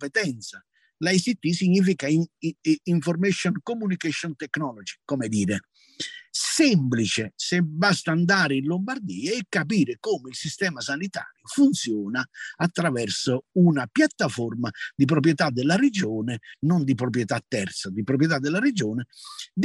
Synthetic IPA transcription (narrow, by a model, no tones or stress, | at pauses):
pɛt̪ɛnt̪sa | laisit̪ːisiɲːiːfika | iɱformɛʃɔnkomːunikeʃɔnt̪ɛknɔlɔd͡ʒi̥kɔmɛd̪iːɾe | sɛmplit͡ʃɪsɪbast̪aːnd̪aːɾɪinlombard̪iːaɛkːapiːɾɪkɔːmɪilsist̪ɛːmasanit̪a̰ːɾjʊfunt̪sjɔːnaːt̪ːɾavɛrsounapjat̪ːafɔrmad̪ip̬ɾɔp̬ɾjɛt̪ad̪ːɛlːared͡ʒɔːnɪnɔnd̪ip̬ɾɔp̬ɾjɛt̪at̪ːɛɾt̪sad̪ipɾɔp̬ɾjɛt̪ad̪ːɛlːaɾed͡ʒɔːnɪd̪